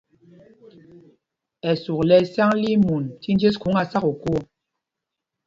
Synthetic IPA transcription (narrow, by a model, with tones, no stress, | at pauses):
ɛ˨su˨klɛ˨sja˦ŋli˦mu˨nti˦n˦d͡ʒe˦sku˨˦ŋa˨sa˦ko˨ko˦˨